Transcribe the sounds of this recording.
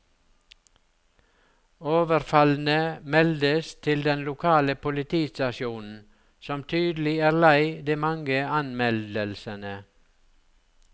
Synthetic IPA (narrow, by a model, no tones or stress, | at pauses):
oːʋəɾfɑln̩əmɛld̪əst̪ʰɪld̪ɛnlʊkʰɑːləpʊlɪt̪ʰiːst̪ɑʃjuːnn̩ | sɔmt̪ʰyːd̪l̩ɪæːɾlæɪd̪iːmɑŋɡəɑnmɛld̪əlsənə